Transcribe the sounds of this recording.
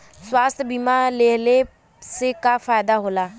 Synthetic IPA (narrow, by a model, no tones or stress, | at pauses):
swaːst̪ʰbiːmaːleːleː | seːkaːfʰaːjd̪aːɦoːlaː